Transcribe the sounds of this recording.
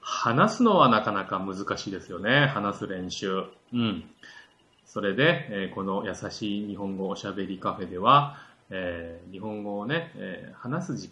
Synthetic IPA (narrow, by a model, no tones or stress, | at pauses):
hanasɨno̞βanakanakamɯ̟zɨkaɕiːd̪esɨjo̞ne̞hanasɨɾẽ̞ɰ̃ɕɨː | ɯ̟̃ɴ | so̞ɾe̞d̪e̞eːko̞no̞jasaɕiːɲ̟iɦõ̞ŋɡo̞ːɕabe̞ɾʲikaɸe̞d̪e̞βa | eːɲ̟iɦõ̞ŋɡo̞ːne̞̰hanasɨʑi